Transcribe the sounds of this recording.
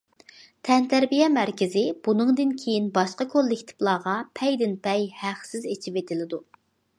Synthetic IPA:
t̪ʰɛnt̪ʰæɾbijɛmæɾkʲɪzɪb̥unɨŋd̪ɨnkʲʰejinbɑʃqɑkʰolˠːɪkʲt̪ʰɪ̥plˠɑːʁɑpʰɛjd̪ɪnpʰɛjhæχsɪzet͡ʃʰipet̪ʰɪlɪd̪u

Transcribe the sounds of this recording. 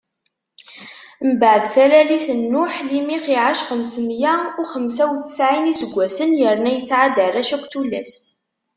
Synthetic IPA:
mbəʕəd̪θælæliθənːʊħlimiχiʕaʃqəmsmjæʊχəmsæwθə̥sʕinisəɡʷːæsənjəɾnæjəsʕad̪ərˤːæʃækʷt̪ulæ̰s

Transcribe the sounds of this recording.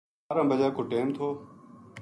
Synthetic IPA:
aːɾãːbəd͡ʒaːkoːʈeːmt̪ʰoː

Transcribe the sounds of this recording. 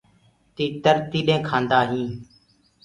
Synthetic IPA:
t̪iːt̪əɾt̪iːɗẽːkʰãːnd̪aːɦĩː

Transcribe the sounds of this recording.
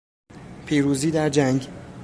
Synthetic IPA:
pʰiːɾuːziːd̪æɾd͡ʒæŋɟ

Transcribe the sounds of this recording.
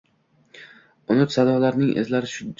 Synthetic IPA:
ʊnʊt̪sad̪ɒlaɾnɪŋʔḛzlaɾɪʃʊ

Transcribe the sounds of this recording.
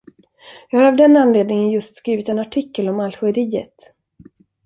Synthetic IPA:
jɑːɡhaɾavd̪ɛnːanleːd̪nɪŋənjɵst̪skɾiːvɪt̪ɛnaʈʰɪkːəlɔmalxɵəɾiːə̰t̪

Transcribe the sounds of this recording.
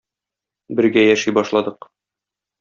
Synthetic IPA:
bɘ̆ɾɡæjæʃijbɒʃlˠɑd̪ɤq

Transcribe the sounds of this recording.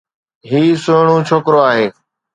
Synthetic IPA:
ɦiːsʊɳ̃õːt͡ʃʰoːkɾoaːɦeː

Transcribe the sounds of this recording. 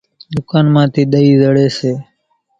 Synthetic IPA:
ɗ̪ʊkaːnmãːt̪iːɗ̪əiːzəɽeːseː

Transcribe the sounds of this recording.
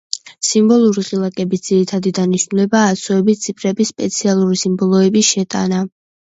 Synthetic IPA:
simbɔlˠuɾiχʼilˠakʼɛbisd̪z̥iɾit̪ʰad̪id̪aniʃnulɛbaːsɔɛbit̪sʰipʰɾɛbisːpʼɛt̪sʰialˠuɾisimbɔlˠɔɛbiʃɛt̪ʼa̰na

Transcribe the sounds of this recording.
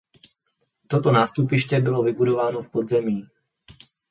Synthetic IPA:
t̪ɔt̪ɔnaːst̪upiʃcɛbilɔvibud̪ɔʋaːnɔfpɔd̪zɛmiː

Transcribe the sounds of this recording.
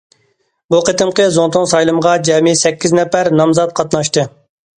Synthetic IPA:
buqət̪ɨmqəzont̪ʰʊŋsɑjlˠɨməʁɑd͡ʒɛmisɛkʲːiznɛpæɾnɑmzɑt̪̚qʰɑt̪nɑʃt̪ɨ

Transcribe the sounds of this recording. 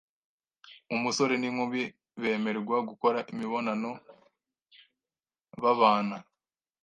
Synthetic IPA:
umuso̞ɾenimuβi | βe̞ːme̞ɾɡwaɡuko̞ɾaʔimiβo̞nano̞ | βaβaːna

